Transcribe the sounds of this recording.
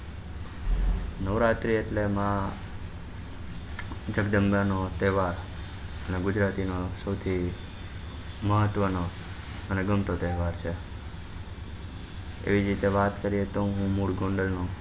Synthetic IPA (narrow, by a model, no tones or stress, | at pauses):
nəʋɾat̪ɾieʈlemã | d͡ʒəɡd̪əmbjanot̪eɦʋaɾ | əneɡʊd͡ʒɾat̪inosəwt̪ʰi | məɦət̪ːʋəno | əneɡəmt̪ot̪eɦʋaɾt͡ʃʰe | ḛʋid͡ʒɾit̪eʋat̪kəɾijet̪oɦũmuɽɡõɳɖəlno